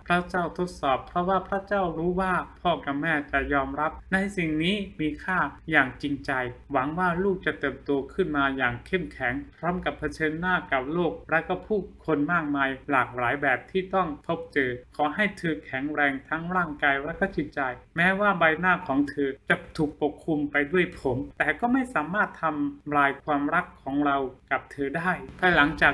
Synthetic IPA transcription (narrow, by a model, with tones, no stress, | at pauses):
pʰɾa˦˥t͡ɕa˥˩wt̪ʰo˦˥t̪̚sɔː˨˩pʰɾɔ˦˥waː˥˩pʰɾa˦˥t͡ɕa˥˩wɾuː˦˥waː˥˩pʰɔː˥˩ka˧mɛː˥˩t͡ɕa˨˩jɔː˧mɾa˦˥p̚na˧jsi˨˩ŋniː˦˥miː˧kʰaː˥˩jaː˨˩ŋt͡ɕi˧ŋt͡ɕa˧jwa˩˦ŋwaː˥˩luː˥˩k̚t͡ɕa˨˩t̪ɤː˨˩p̚t̪u˧ɐkʰɯ˥˩nmaː˧jaː˨˩ŋkʰe˥˩mkʰɛ˩˦ŋpʰɾɔː˦˥mka˨˩pʰːa˧t͡ɕʰɤː˧nːaː˥˩ka˨˩p̚loː˥˩k̚ɾɛ˦˥kɔ˧˥˩pʰuː˥˩kʰo˧nmaː˥˩k̚maː˧jlaː˨˩k̚laː˩˦jbɛː˨˩p̚t̪ʰiː˥˩t̪ɔ˥˩ŋpʰo˦˥p̚t͡ɕɤː˧kʰɔː˩˦ɦa˥˩jt̪ʰɤː˧kʰɛ˩˦ŋɾɛː˧ŋt̪ʰa˦˥ŋɾaː˥˩ŋkaː˧jɾɛ˦˥kɔ˥˩t͡ɕʰi˨˩t̚t͡ɕa˧jmɛː˦˥waː˥˩baː˧jnaː˥˩kʰɔː˩˦ŋt̪ʰɤː˧t͡ɕa˨˩t̪ʰuː˨˩k̚po˨˩kʰːu˧mpa˧jdu˥˩əjpʰo˩˦mt̪ɛː˨˩kɔː˥˩ma˥˩jsaː˩˦maː˥˩t̪ʰːa˧mlaː˧jkʰwaː˧mɾa˦˥kʰːɔː˩˦ŋɾa˧wka˨˩p̚t̪ʰɤː˧daː˥˩jpʰa˧˥la˩˦ŋt͡ɕaː˨˩